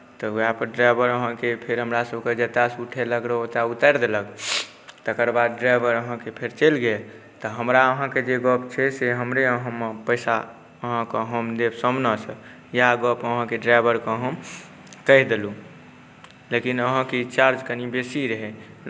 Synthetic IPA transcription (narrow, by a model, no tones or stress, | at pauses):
t̪ɔapəɖɾabəɾəɦãkepʰeɾɦəmɾasəbʱked͡ʒət̪asuʈʰeləɡɾəot̪aut̪əɾd̪eləɡ | t̪əkəɾbad̪̚ɖɾajbəɾəɦãkepʰeɾt͡ʃəlɡe | t̪əɦəmɾaəɦãked͡ʒeɡəpt͡ʃʰɛseɦəmɾeəɦãmepəjsa | əɦãkəɦəmd̪ebsəmnəsə | jaɡəpəɦãkeɖɾajbəɾkəɦəm | kəɦd̪elu | lekinəɦãket͡ʃaɾd͡ʒkənibesiɾəɦɛ